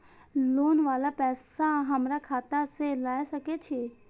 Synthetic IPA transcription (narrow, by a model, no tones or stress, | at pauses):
loːnʋaːlapɛːsaɦəmɾakʰaːt̪aselaːesəket͡ʃʰeː